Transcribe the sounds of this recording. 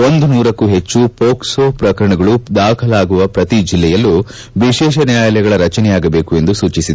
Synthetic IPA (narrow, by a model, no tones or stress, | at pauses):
o̞nd̪unuːɾɐkːuɦe̞t͡ʃːupoːksoːpɾɐkɐɾɐɳɐɡɐɭud̪aːkʰɐlaːɡuʋɐpɾɐt̪id͡ʒilːɛjɐlːu | ʋiʃɛːʃ̬ɐnjaːjɐlɛjɐɡɐɭɐɾɐt͡ʃɐnɛjaːɡɐbe̞ːkue̞nd̪usuːt͡ʃisid̪